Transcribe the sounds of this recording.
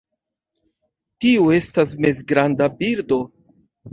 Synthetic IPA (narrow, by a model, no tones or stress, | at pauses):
tiue̞stasme̞z̬ɡɾandabiɾdo̞